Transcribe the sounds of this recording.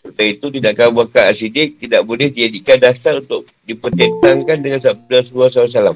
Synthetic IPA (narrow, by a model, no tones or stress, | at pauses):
sət̪ait̪ut̪idaʔkabuakaasidɪk̚t̪idaʔbolɛhdid͡ʒadikandasaɾunt̪ʊk̚dipərt͡ʃət̪aŋkandəŋansadasəluas̬aus̬alam